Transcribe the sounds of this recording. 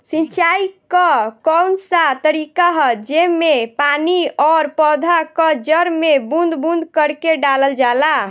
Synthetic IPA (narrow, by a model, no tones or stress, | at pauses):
sĩnt͡ʃajkəkɔnsat̪əɾikaɦd͡ʒemepaniɔɾpɔd̪ʱakəd͡ʒəɾmebund̪bund̪kəɾkeɖaləld͡ʒala